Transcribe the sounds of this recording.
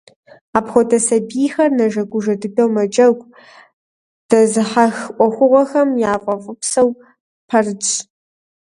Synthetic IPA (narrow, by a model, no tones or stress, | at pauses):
aːpxʷɔtʰɐsɐbiːxɐrnɐʒɐɡʷʊʒɐdɨbɐwmɐd͡ʒʼɐɡʷʼ | d̥ɐzɨħaxʔʷɔxʷʊʁʷɔxɐmjaːfʼɐvʼʊpsɐw | pʰɐrɨt͡ʃʼ